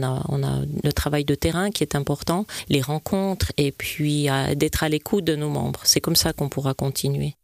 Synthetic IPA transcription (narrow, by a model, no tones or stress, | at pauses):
na̰ɔ̰̃na̰lət̪χavajd̪ət̪ɛʁɛ̃kʲiɛt̪ɛ̃pɔʁt̪ɑ̃leʁɑ̃kʰɔ̃t̪χepɥia̰d̪ɛt̪χalekʰud̪ənomɑ̰̃bʁsɛkɔmsakɔ̃puʁakɔ̃t̪ʰinɥe